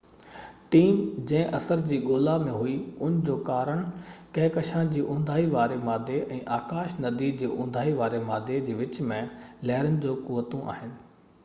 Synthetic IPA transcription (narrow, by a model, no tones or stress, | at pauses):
ʈiːmd͡ʑɐ̃ɦɪ̃ʔɐsəɾd͡ʑiːɠoːlamẽɦuiʊnd͡ʑoːkaːɾəɽ̃kɐ̃ɪkɐʃãd͡ʑiːʔʊ̃ːnd̪ʱaːiʋaːɾemaːd̪ʱeʔɛ̃ːʔaːkaːʃnɐd̪iːd͡ʑiːʔʊ̃nd̪ʱaːiʋaːɾemaːd̪ʱed͡ʑiːʋɪt͡ɕmẽlɛɦɪɾənɪ̆d͡ʑoːkuʋət̪õʔa̰ːɦɪnɪ̆